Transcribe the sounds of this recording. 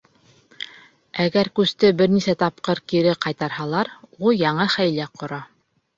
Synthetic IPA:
æɡæɾkʉst̪ɘbɘɾnisæt̪ɑp̚qɤɾkiɾɘqɑjt̪ɑɾhɑlˠɑɾulˠjɑɴɤχæjlæqʰŏɾɑ

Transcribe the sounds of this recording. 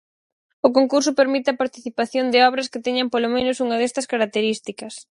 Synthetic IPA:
ʊkoŋkuɾsʊpeɾmit̪ɪɐpaɾt̪iθipaθjond̪ɪɔβɾɐskɪt̪ɛɲɐmpolomẽnʊsuŋɐðɛst̪ɐskaɾak̚t̪eɾist̪ikɐs

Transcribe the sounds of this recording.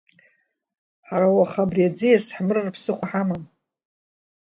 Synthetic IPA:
ħaɾawaχabriad͡zɨjasħmɨrɨrpʰsɨχʷaħamam

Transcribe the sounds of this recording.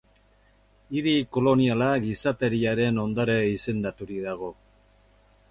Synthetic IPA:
iɾiko̞lo̞nialaɡisat̪e̞ɾiaɾe̞no̞nd̪aɾeise̞nd̪at̪uɾiðaɣ̞o̞

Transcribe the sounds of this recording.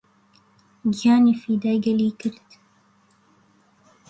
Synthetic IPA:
ɡijɑːniːfiːd̪aːjɡɐliːkɨɾt̪

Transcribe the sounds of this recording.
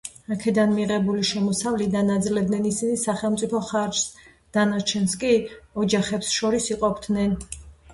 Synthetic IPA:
akʰɛd̪anmiʁɛbuliʃɛmɔsavlid̪anad̪zlɛbd̪nɛnisinisaχɛlˠmt̪sʼipʰɔχaɾd͡ʒs | d̪̥anat͡ʃʰɛnskʼiɔd͡ʒaχɛpsʃɔɾisiqʼɔbd̪nɛn

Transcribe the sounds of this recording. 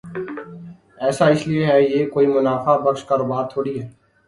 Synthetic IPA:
ɛːsaːɪslɪeɦɛːjeːkoːiːmʊnaːfaːbəkʃkaːɾobaːt̪ʰoːɽiːɦɛː

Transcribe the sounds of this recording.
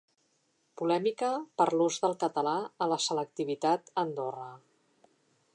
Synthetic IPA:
pulɛmikəpəɾluzðəlˠkət̪əlaələsələk̚t̪iβit̪at̪ənd̪orə

